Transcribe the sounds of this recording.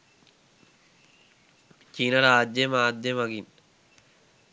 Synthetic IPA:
t͡ʃiːnɐɾaːd̪jemaːd̪jemɐɡin

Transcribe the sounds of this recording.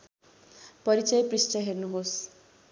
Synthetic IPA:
pʌɾit͡sʌjpristʌɦernuɦos

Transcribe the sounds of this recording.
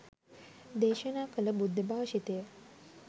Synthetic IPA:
d̪eːʃənaːkələbud̪ʱːəbaːʋʃit̪ejə

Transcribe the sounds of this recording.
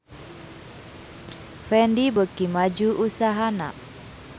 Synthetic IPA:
fɛndibəkimad͡ʒuʔusaɦana̰

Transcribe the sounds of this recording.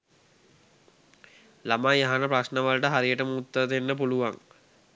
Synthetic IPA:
lamaaɦanəprasnəʋalʈəɦaɾijəʈəmut̪ːət̪enːəpuluʋaŋ

